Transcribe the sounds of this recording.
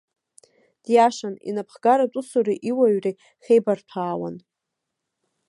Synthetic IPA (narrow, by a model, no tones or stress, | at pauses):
d̥jaʃanḭnapʰχɡ̥aɾatʼusuriʔiwaɥri | χʲejbartʷʰaːwa̰n